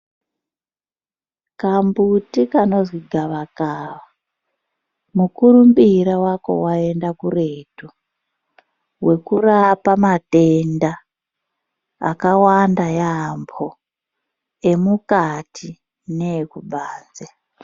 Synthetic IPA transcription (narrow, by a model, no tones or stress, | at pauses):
kambutikano̞zwiɡʱaʋakaːʋa | mukuɾumbiɾawako̞̰wae̞ndakure̞tu | we̞kurapamate̞nda | kawandajambʰo | e̞mukatʰi | nekubʱaːnd͡ze